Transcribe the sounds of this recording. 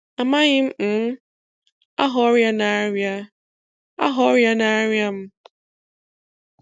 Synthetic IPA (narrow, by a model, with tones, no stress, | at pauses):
a˨ma˦ɣɪ˦m̩˦˨˦ | a̰˦ɦɔ˦ɾja˦na˨˦ɾja˦ | a̰˦ɦɔ˨˦ɾja˦na˨˦ɾja˦m̩˦